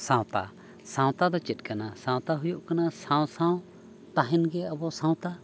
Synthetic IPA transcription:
sãw̃t̪a̰ | sãw̃t̪ad̪ɔt͡ʃit̪̚ˀkanasãw̃t̪aɦujuʔkanasãw̃sãw̃ | t̪aɦinɡɛabɔsãw̃t̪a

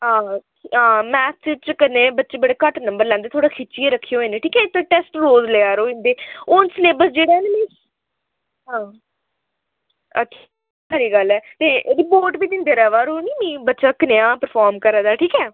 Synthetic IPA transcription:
ɦãː | ɦãːmɛːsɪt͡ʃkənẽːbətːʃeːbəɽeːkəʈnəmbəɾlɛ̃ːnd̪eːt̪ʰoːɽaːkʰɪt͡ʃiːeːɾəkʰːijoːeːnẽʈʰiːkɛːɪt̪ʰːõʈɛːsʈɾoːzleːaːɾoːɪ̃nd̪eːʊnsleːbəsd͡ʒeːɽaːnemĩː | ɦãː | ə̰tʃʰi̥ː | səɾiːɡəlɛːt̪eːɾɪpoːɾʈbiːd̪ɪnd̪eːɾɛːʋaːɾoːniːmĩːbətːʃaːkɪneãːpəɾpʰaːɾmkəɾãːd̪aːʈʰiːkɛː

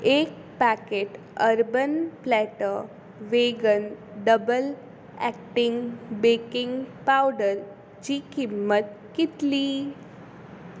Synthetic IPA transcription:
eːk̚ | pækeʈ | əɾbənplɛʈə | ʋeɡənɖəbəl | ɛk̚ʈɪŋɡbekɪ̃ŋɡpawɖəɾ | d͡ʑiːkimːət̪̚ | kit̪li

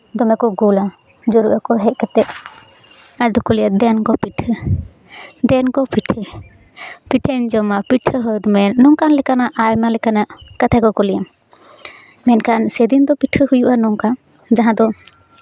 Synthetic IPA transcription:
d̪ɔmɛkɔɡula | d͡ʒɔɾuʔakɔɦɛʔ̚kɛt̪ɛʔ̪̚ | aɾd̪ɔkɔlijad̪ɛnkɔpiʈʰə | d̪ɛnkɔpiʈʰə | piʈʰəɲd͡ʒɔmapiʈʰəɦɔd̪mɛnːɔŋkanlɛkanaʔajmalɛkanaʔkət̪ʰakɔkɔlijam | mɛnkansɛd̪ind̪ɔpiʈʰəhujuʔanɔŋka | d͡ʒaɦãd̪ɔ

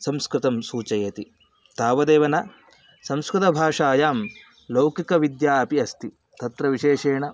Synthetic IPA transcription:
sɐmskɾɪt̪ɐmsuːt͡ʃɐjɐt̪i | t̪aːʋɐd̪eːʋɐnɐ | sɐmskɾɪt̪ɐbʱaːʂaːjaːm | lɐwkikɐʋid̪jaːpiɐst̪i | t̪ɐt̪ɾɐʋiʃeːʂeːɳɐ

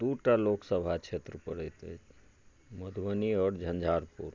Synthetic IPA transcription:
d̪uːʈaloːksəbʱat͡ʃʰeːt̪ɾəpəɽet̪e | məd̪ʱʋəniəɽd͡ʒʱə̃nd͡ʒʱaːɾpuːɾ

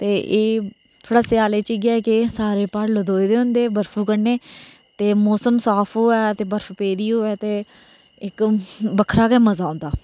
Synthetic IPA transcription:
t̪eːʔeː | t̪ʰoːɽaːsɪjaːleːt͡ʃɪɡɪaːkɪsaːɾeːpaɽləd̪oːid̪eːɦʊ̃nd̪eːbəɾfʰuːkəɽneː | t̪eːmoːsəmsaːpʰoːɛːt̪eːbəɾfʰpeːɾiːɦoːɛːt̪eː | ɪkbəkʰɾaːkɛːməzaːõːnd̪aː

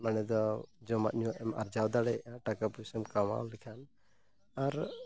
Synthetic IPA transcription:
manɛd̪ɔd͡ʒɔma̰ʔɲuwaʔɛma̰ɾd͡ʒawd̪aɽɛʔaʈakapusɔmkama̰wlɛkʰan | aɾ

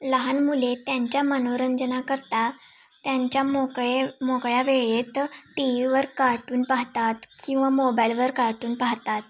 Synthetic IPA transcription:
ləɦanmulet̪jaɲt͡ɕjamənoɾəɲd͡zənakəɾt̪a | t̪jaɲt͡ɕjamokɭemokɭjaʋeɭet̪ʈiʋiʋəɾkaɾʈuːnpaɦt̪at̪kĩw̃ʋamobajlʋəɾkaɾʈuːnpaɦt̪at̪

